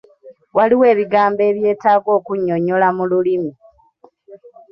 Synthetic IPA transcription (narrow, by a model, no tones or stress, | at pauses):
waliwe̞ːβiɡaːmbe̞ːβje̞ːtaːɡo̞ːkuɲːo̞ɲo̞lamululimi